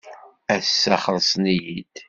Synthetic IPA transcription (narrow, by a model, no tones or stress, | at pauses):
æsːæχəðˤsˤnijid̪